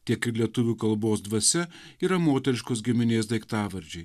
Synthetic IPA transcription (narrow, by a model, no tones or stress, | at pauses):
t̪ʲiɛkɪɾlʲiɛt̪ʊʋʲuːkɐlˠboːsd̪ʋɐsʲɛ | iːɾɐmoːt̪ʲɛɾʲɪʃkoːsɡʲɪmʲɪnʲeːsd̪ɐɪkt̪ɑːʋɐɾʲd͡ʒʲɛɪ